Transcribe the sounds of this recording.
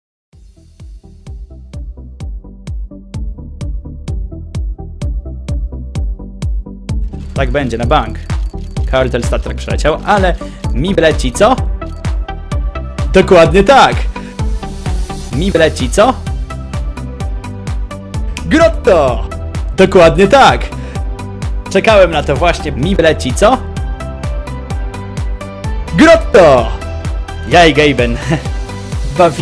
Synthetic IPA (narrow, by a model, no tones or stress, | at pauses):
t̪aɡ̚bɛɲd͡ʑɛnabaŋkː | aɾt̪ɛlst̪at̪ɾak̚pʂɛlɛt͡ɕawʔalɛmʲivlɛt͡ɕit̪sɔ | d̪ɔkwad̪ɲɛt̪ak | mʲivlɛt͡ɕit̪sɔ | ɡɾɔt̪ːɔ | d̪̥ɔkwad̪ɲɛt̪ak | t͡ʂɛkawɛmnat̪ɔvwaɕɲɛmʲivlɛt͡ɕit̪sɔ | ɡɾɔt̪ːɔ | jajɡɛjbɛn | bavʲ